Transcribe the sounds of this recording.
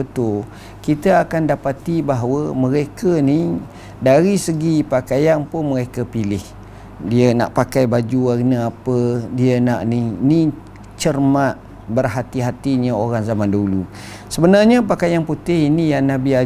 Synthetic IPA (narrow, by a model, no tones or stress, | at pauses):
ət̪ʊl | kit̪əakandapat̪ibaɦwəmə̃ɾekəni | daɾisəɡipakajanpʊnməɾekəpilɪh | diəna̰ʔpakajbad͡ʒuaɾinəapədiənaʔnini | t͡ʃərmaʔ̚ | bərɦat̪iɦat̪iɲəoɾaŋzamandaɦulu | səbənarɲəpakajanput̪ɪhinijaŋnabia